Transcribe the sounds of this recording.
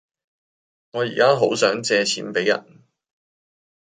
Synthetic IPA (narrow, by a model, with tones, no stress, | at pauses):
ŋɔː˨˧jḭː˨˩kaː˥ɦo˨˥wsœː˨˥ŋt͡sɛː˧t͡sʰiː˨˥npe˨˥jɐ̰˨˩n